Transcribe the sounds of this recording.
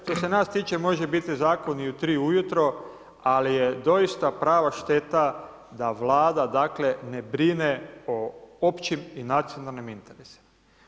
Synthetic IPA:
ʃt̪o̞se̞naːst̪iːt͡ʃe̞mo̞ʒe̞bit̪izaːko̞niut̪ɾiːujut̪ɾo̞ | alijed̪o̞ist̪apɾaːʋaʃt̪e̞t̪a | d̪aʋlˠaːd̪ad̪akle̞ne̞bɾineoopt͡ʃiminat̪sijo̞nalˠnimint̪eɾesi̥m

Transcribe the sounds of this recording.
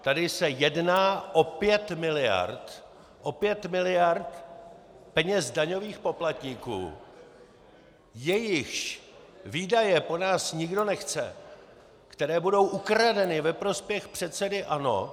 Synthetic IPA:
t̪adɪsɛjɛdnaːʔo̞pjɛt̪mɪlɪja̰ɾt̪ | ʔo̞pjɛt̪mɪlɪjaɾt̪ | pɛɲɛzdaɲo̞viːxpo̞plat̪ɲiːkṵː | jɛjɪxʃ | viːdajɛpo̞naːsɲɪɡdo̞nɛxt͡sɛ̰ | kt̪ɛɾɛːbudo̞wʔukɾadɛnɪvɛpɾo̞spjɛxpr̝̥ɛt̪sɛdɪʔano̞̰

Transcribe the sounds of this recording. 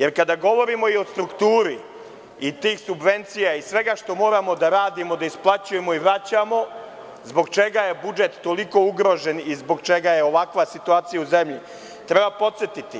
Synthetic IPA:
je̞ɾkad̪aɡo̞ʋo̞ɾimo̞io̞st̪ɾukt̪uːɾi | it̪iːxsubʋe̞nt̪sijaisʋe̞ɡaʃt̪o̞mo̞ːɾamo̞d̪aɾaːd̪imod̪aisplˠat͡ɕuje̞mo̞iʋɾat͡ɕamo̞ | zbo̞ɡt͡ʃe̞ɡaje̞bud͡ʒe̞t̪ːo̞liko̞uɡɾo̞ʒe̞nizbo̞ɡt͡ʃe̞ɡaje̞o̞ʋakʋasit̪uaːt̪sijauze̞mʎi | t̪ɾebapo̞t̪set̪it̪i

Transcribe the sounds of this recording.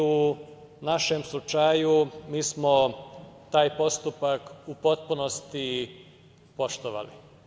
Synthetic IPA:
u | naʃemslˠut͡ʃajumiːsmo̞t̪aːjpo̞st̪upakupo̞t̪̚punost̪i | po̞ʃt̪oʋa̰lḭ

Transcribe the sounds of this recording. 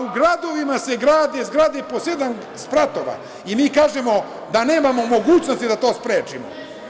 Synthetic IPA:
uɡɾad̪o̞ʋimase̞ɡɾaːd̪ezɡɾaːd̪epose̞d̪an | spɾat̪oʋa̰ | imiːkaːʒemo̞ | d̪ane̞ːmamo̞mo̞ɡuːt͡ɕno̞st̪id̪at̪o̞ːspɾeːt͡ʃimo̰

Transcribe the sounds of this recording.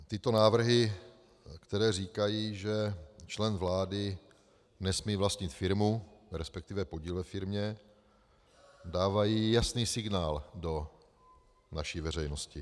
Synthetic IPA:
t̪ɪt̪o̞naːvr̩ɦɪ | kt̪ɛɾɛːriːkajiːʒɛt͡ʃlɛnvlaːdɪ | nɛsmiːvlast̪ɲɪt̪fɪɾmuɾɛspɛk̚t̪ɪvɛpo̞ɟiːlvɛfɪɾmɲɛ | daːvajiːjasniːsɪɡnaːldo̞ | naʃiːvɛrɛjno̞scɪ

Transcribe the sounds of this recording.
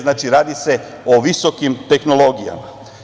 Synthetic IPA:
znaːt͡ʃiɾaːd̪ise̞ | oʋiso̞kimt̪e̞xnolˠo̞ɡija̰ma

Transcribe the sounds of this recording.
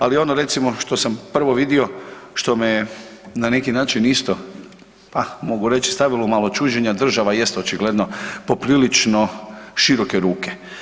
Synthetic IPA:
alio̞noɾe̞t̪simo̞ʃt̪o̞sampr̩ʋo̞ʋid̪io̞ʃt̪o̞menanekinaːt͡ʃinist̪o̞ | pamo̞ɡuɾe̞t͡ʃist̪aʋilomalˠot͡ʃuːd͡ʑeɲad̪r̩ʒaʋaje̞st̪ot͡ʃiɡled̪nopopɾilit͡ʃno̞ʃiɾo̞ke̞ɾuːke

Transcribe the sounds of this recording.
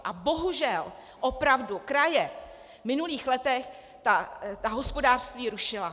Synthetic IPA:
ʔabo̞ɦuʒɛl | ʔopɾavdukɾajɛ | mɪnuliːxlɛt̪ɛx | t̪at̪aɦo̞spo̞daːr̥st̪viːɾuʃɪla

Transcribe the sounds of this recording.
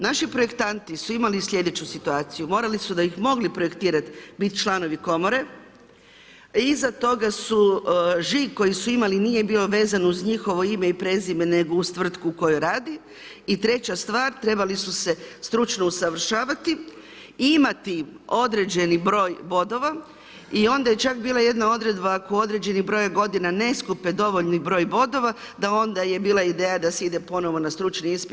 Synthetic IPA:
naʃipɾo̞je̞kt̪ant̪isuimalislʲʎʲe̞d̪e̞t͡ɕusit̪uaːt̪sijumo̞ːɾalisud̪aixmo̞ɡlipɾo̞je̞kt̪iːɾat̪bit̪t͡ʃlˠano̞ʋiko̞mo̞ɾe̞ | izat̪o̞ɡasuʒiko̞jisuimalinije̞biːlo̞ʋe̞ːzanuzɲixo̞ʋo̞ime̞ipɾe̞ːzimene̞ɡo̞ust̪ʋr̩t̪kuːko̞juɾaːd̪iː | t̪ɾe̞t͡ɕast̪ʋaːɾt̪ɾe̞balisuse̞st̪ɾut͡ʃno̞usaʋr̩ʃaːʋat̪i | imat̪io̞d̪ɾe̞d͡ʑe̞nibɾo̞ːjbo̞d̪o̞ʋa | io̞nd̪aje̞t͡ʃakbiːlˠaje̞d̪nao̞d̪ɾe̞d̪baːko̞o̞d̪ɾe̞d͡ʑe̞nibɾo̞jaɡo̞d̪inane̞skupe̞d̪o̞ʋo̞ʎnibɾo̞ːjbo̞d̪o̞ʋa | d̪ao̞nd̪aje̞biːlˠaid̪eːjad̪aseid̪e̞po̞no̞ʋonast̪ɾut͡ʃniispi

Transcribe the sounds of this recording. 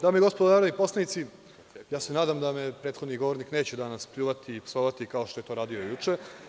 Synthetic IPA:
d̪aːmoiɡo̞spod̪onaːɾod̪nipo̞slanit̪si | jaːse̞naːd̪amd̪amepɾeːt̪xod̪niɡo̞ʋoɾnikne̞ːt͡ɕed̪anaspʎuːʋat̪iːpsoʋat̪ikaoʃt̪o̞je̞t̪o̞ːɾaːd̪io̞jut͡ʂe

